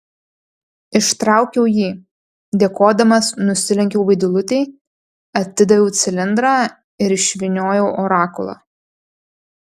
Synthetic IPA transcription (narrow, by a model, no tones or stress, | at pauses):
ɪʃt̪ɾɑˑʊkʲɛʊjiː | d̪ʲeːkoːd̪ɐmɐsnʊsʲɪlʲɪŋʲkʲɛʊʋɐɪd̪ʲʊlˠʊt̪ʲɛɪ | ɐt̪ʲːɪd̪ɐʋʲɛʊt̪sʲɪlʲɪnd̪ɾɑː | ɪɾɪʃʲʋʲɪnʲoːjɛʊʔoːɾɑːkʊlˠɑ̰ː